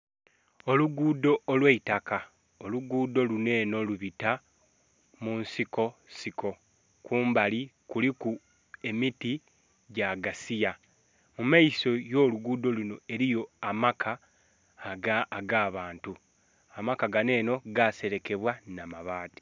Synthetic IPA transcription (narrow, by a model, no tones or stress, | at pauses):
o̞luɡuːdo̞ːlweitaka | oluɡuːdo̞lune̞ːno̞luβita | muːnsiko̞sikʰo̞ | kuːmbalikuliku | e̞miti | ɟaɡasija | mumaiso̞jo̞ːluɡuːdo̞luno̞e̞ɾijo̞amakʰa | ɡaːɡaːβaːntu | amakaɡane̞ːno̞ɡase̞ɾe̞ke̞βwanamaβaːti̥